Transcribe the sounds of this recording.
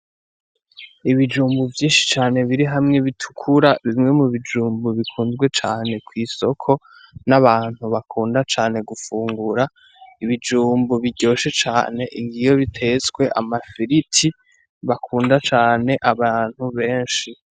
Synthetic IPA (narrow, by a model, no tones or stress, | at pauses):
iβid͡ʒuːmbuvjiːnʃi̥t͡ʃaːne̞βiɾiɦamŋe̞βitʰu̥kʰuɾaβimŋe̞muβid͡ʒuːmbuβikʰuːnzɡwe̞t͡ʃaːne̞kwiːso̞kʰo̞ | naβaːn̥huβakʰuːndat͡ʃaːne̞ɡufuːŋɡuɾa | iβid͡ʒuːmbuβiɟo̞ːʃe̞t͡ʃa̰ːne̞ʔiŋɡijo̞βitʰe̞zɡwe̞ʔa̰mafiɾitʰi | βakʰuːndat͡ʃaːne̞ʔaβaːn̥huβe̞ːnʃi